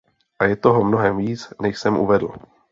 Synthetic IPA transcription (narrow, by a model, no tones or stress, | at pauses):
ʔajɛt̪oɦomno̞ɦɛmviːt͡snɛʃsɛmʔṵvɛdl̩